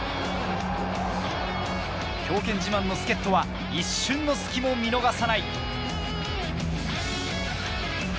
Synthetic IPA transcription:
çʲo̞ːkẽ̞ɲ̟d͡ʑimãnːo̞sɨ̥ke̞t̪ːo̞βa | iɕːɨ̃nːo̞sɨ̥kʲimo̞mʲino̞ɡasanai

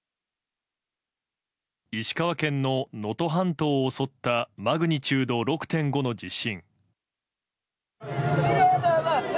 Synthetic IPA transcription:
iɕi̥kaβakẽ̞nːo̞no̞t̪o̞ɦãnt̪o̞ːso̞t̪ːamaɡɯ̟ɲ̟it͡ɕɨːd̪o̞ɾo̞kɯ̟̥t̪ẽ̞ŋɡo̞no̞d͡ʑiɕːĩŋ

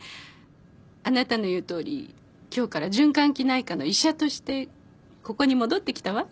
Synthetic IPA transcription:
anat̪ano̞jɯ̟ːt̪o̞ːɾʲḭ | kʲo̞ːkaɾaʑɨ̃ŋkãŋkʲinaikano̞iɕat̪o̞ɕi̥t̪e̞ | ko̞ko̞ɲ̟imo̞d̪o̞t̪ːe̞kʲi̥t̪aβa

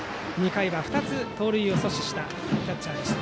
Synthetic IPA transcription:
ɲ̟ikaiβaɸɯ̟t̪at͡sɨt̪o̞ːɾɯio̞so̞ɕi̥ɕi̥t̪a | kʲat͡ɕãd̪eɕt̪a

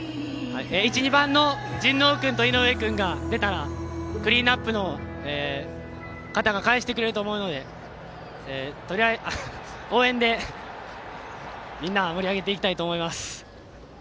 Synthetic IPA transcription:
haieːit͡ɕiɲibãnːo̞d͡ʑĩnːo̞ːkɯ̃nt̪o̞inoekɯ̟̃ŋɡad̪e̞t̪aɾakɯ̟ɾʲĩːnapːɯ̟no̞eː | kat̪aɡakaeɕi̥t̪e̞kɯ̟ɾe̞ɾɯ̟t̪o̞ːmo̞ɯ̟no̞d̪e̞ | eːt̪o̞ɾʲia | o̞ːẽ̞nd̪e̞ | mʲĩnːamoɾʲiaɡe̞t̪e̞ikʲit̪ait̪o̞ːmo̞imasɨ̥

